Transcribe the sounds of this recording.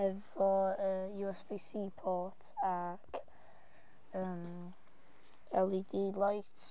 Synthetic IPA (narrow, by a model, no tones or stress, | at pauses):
ɛvɔəːjuɛsb̥isiːpʰɔtʰak | əːm | ɛlˠidilˠɔjtʰ